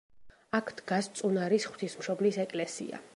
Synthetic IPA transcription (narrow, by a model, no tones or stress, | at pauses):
akʰd̪̥ɡast̪sʼunaɾisχw̥t̪ʰismʃɔblisɛkʼlɛsḭa̰